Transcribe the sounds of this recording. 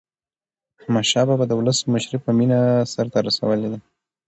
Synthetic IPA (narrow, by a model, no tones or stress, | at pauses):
maʃɑbabad̪əwʊləsməʃɾepəminasaɾt̪aɾasa̰wəled̪a